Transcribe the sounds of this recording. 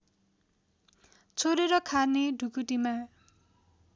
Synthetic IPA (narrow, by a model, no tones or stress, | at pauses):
t͡sʰoɾeɾʌkʰarneɖʱukuʈima